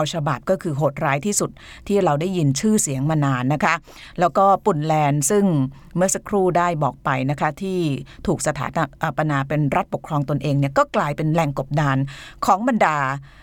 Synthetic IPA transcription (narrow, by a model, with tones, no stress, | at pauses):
a˧wt͡ɕʰa˧ba˨˩p̚kɔː˥˩kʰɯː˧ɦoː˨˩t̪̚ɾaː˦˥jt̪ʰiː˥˩su˨˩t̪̚ʰːiː˥˩ɾa˧wdaː˥˩ji˧nt͡ɕʰɯː˥˩si˨˩˦əŋmaː˧naː˧nːa˦˥kʰa˦˥ʔ | lɛː˦˥wkɔː˥˩pu˨˩nlɛː˧nsɯ˥˩ŋ | mɯ˥˩ɐsa˧˦˥kʰɾuː˥˩daː˥˩jbɔː˨˩k̚pa˧jna˦˥kʰa˦˥t̪ʰiː˥˩t̪ʰuː˨˩k̚sa˧t̪ʰa̰ː˩˦na˧ʔa˨˩pa˧naː˧pe˧nɾa˦˥t̪̚po˨˩kʰɾɔː˧ŋt̪o˧nʔeː˧ŋni˥˩ɐkɔː˥˩klaː˧jpe˧nlɛ˨˩ŋko˨˩p̚daː˧nkʰɔː˩˦ŋba˧ndaː˧